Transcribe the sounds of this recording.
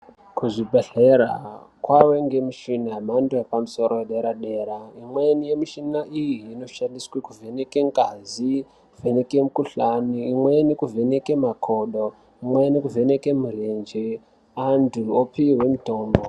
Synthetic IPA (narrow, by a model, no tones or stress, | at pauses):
kuʐibʱeɮeɾa̰kwawe̞ŋɡe̞muʃinamandujepamuso̞ɾo̞jeɗe̞ɾaɗe̞ɾaimwenije̞miʃinaʔijiːno̞ʃandiswekuvʱe̞ne̞keŋɡazi | kuvʱe̞ne̞kemukuɬaniːmwenikuvʱe̞ne̞kemakʰoɗo̞ | imwenikuve̞ne̞kemurend͡ʒe | anduopiɦwe̞muto̞ːmbo